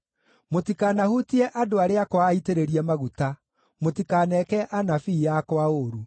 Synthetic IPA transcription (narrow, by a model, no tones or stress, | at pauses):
motikaːnahutiɛʔadoaɾeakwaːiteɾeɾiɛmaɣuta | motikanɛkɛʔanafiːjakwaoɾu